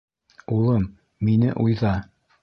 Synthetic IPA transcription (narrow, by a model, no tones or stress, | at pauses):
ulˠɤmː | inɘ̰ʔujðɑ